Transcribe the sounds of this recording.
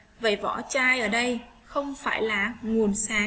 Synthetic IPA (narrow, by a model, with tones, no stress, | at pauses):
və˨˩jvɔ̰˧˥t͡ɕaː˧jʔəː˧˩ɗə˧j | xə˧wŋ͡mfaː˧˩jlaː˨˩ŋu˨˩ənsaː˨˦